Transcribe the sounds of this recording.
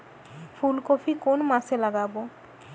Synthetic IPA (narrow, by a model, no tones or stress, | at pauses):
fulkofikonmaselaɡabo